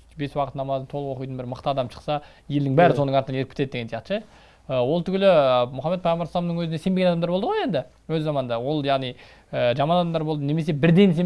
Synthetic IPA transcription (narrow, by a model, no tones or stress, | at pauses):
be̞swɑqət̪nɑmɑzənt̪ʰoəʁwo̞qijt̪ənbɪɾməqt̪əɑd̪ɑmʃə̥qsɑ | je̞ld̪ɪŋbæɾɪso̞nəɴɑɾt̪ənɑneɾk̚pʰɪt̪ed̪eɡensjɑqt̪ə̥ʃe | əwo̞lˠt̪ʰʏɡʲɪlɪmʊχɑmːet̪pʰɑjməɾslˠɑmnəŋwɵzne̞se̞mbeɡend̪ɑmd̪ɑɾbo̞lˠd̪əʁoje̞nd̪ɪ | wɵzːɑmɑnd̪ɑwo̞lˠjɑʁnij | əʒɑmɑnɑd̪ɑmd̪ɑɾbo̞lˠd̪əne̞me̞s̬e̞bɪɾd̪e̞ns̬e